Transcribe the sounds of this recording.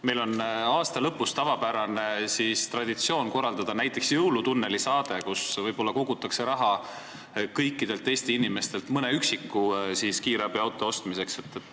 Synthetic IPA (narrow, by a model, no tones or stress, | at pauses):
me̞jlo̞nɑːst̪ɑlɤpːˑust̪ɑvɑpæɾɑne̞siːst̪rɑd̪̥it̪sio̞ːnko̞rːɑld̪ɑd̪̥ɑnæjt̪ːˑe̞ksjɤwlut̪unːe̞lisɑːd̪e̞kusvɤjbo̞lːɑko̞ɡ̥ut̪ːˑɑkse̞ɾɑɦɑ | kɤjkːˑid̪e̞lt̪ːˑe̞ːst̪iinime̞st̪e̞lt̪mɤneyksikːusiːskiːɾeɑbiɑwt̪ːˑo̞o̞st̪mise̞kset̪ːˑet̪ːˑ